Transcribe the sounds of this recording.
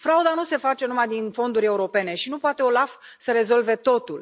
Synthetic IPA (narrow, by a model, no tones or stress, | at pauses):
fɾaud̪anuse̞fat͡ʃe̞numajd̪info̞nd̪uɾʲe̞uɾo̞pe̞ne̞ʃinupoat̪e̞o̞lafsəɾe̞zo̞lve̞t̪o̞t̪ul